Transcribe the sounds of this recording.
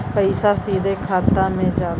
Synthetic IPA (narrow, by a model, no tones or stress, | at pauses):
pəɪsaːsiːd̪eːkʰaːt̪aːmẽːd͡ʒaːʋ